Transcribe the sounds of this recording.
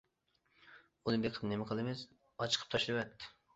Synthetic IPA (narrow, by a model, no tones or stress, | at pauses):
unɨbeqʰəpnemɪqʰəlˠɨmɪz | ɑt͡ʃʰə̥qʰə̥p̚t̪ʰɑʃlˠɨwɛt̪ːɪ̥